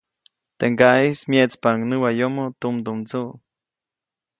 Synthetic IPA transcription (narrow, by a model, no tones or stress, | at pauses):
t̪eŋɡaʔismjeʔt͡spaŋnɨwajomot̪umd̪umt͡suʔ